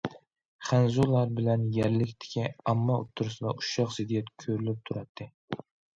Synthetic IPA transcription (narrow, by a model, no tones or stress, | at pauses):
χænzulˠːɑɾbɪlɛnjæɾlɪkʲt̪ʰɪ̥kʲʰiɑmːɑo̰t̪ʰːuɾɨsɨd̪ɑʔuʃɑqzɪd̪ijɛt̪kʲʰøɾylyp̚t̪ʰuɾɑt̪ʰːɨ